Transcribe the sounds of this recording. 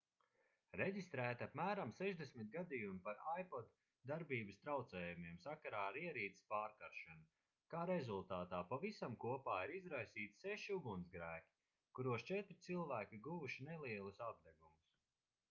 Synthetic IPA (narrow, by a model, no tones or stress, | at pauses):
ɾeɟʲist̪ɾæːt̪iapmæːɾamsɛʒd̪esmit̪̚ɡad̪ijumipaɾajpɔd̪ː | aɾbiːbɨst̪ɾawt̪sɛːjumiɛmsakaɾaːɾiɛɾiːt̪spaːɾkaɾʃanu | kaːɾezulˠt̪aːt̪aːpavisamkuɔpaːiɾizɾajsiːt̪seʃiuɡunzɡɾæːkʲi̥ | kuɾuɔst͡ʃɛt̪ɾɪt̪silˠvæːkʲiɡuvuʃinɛlˠiɛlˠusab̚d̪ɛɡumus